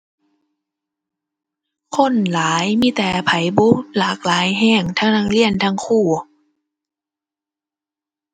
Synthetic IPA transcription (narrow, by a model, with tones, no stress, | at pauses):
kʰo˧˥˨nlaː˨˦jmiː˧˥˨t̪ɛː˨˦pʰa˨˦jbu˦˥klaː˨˦˩k̚laː˨˦jɦɛː˧˩ŋt̪ʰaː˧˥ŋnaː˧˥ŋli˧˩˨ənt̪ʰaː˧˥˨ŋkʰuː˧˩